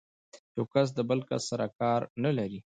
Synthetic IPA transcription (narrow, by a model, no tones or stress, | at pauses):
t̪okas̬d̪əbəlka̰sːaɾakɑɾnalaɾi